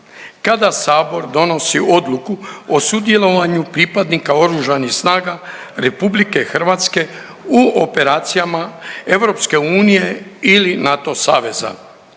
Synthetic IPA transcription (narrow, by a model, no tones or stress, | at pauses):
kad̪asaːbo̞ɾd̪o̞no̞sio̞d̪lˠukuosud̪je̞lo̞ʋaɲupɾipad̪nikao̞ɾuʒanixsnaːɡa | ɾe̞publike̞xr̩ʋat̪ske̞ | uope̞ɾaːt̪sijamae̞ʋɾo̞pske̞uːnije̞ilinat̪o̞saːʋe̞za̰